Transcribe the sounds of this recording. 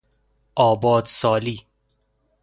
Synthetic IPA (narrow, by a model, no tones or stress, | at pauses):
ʔɒːbɒːd̪sɒːliː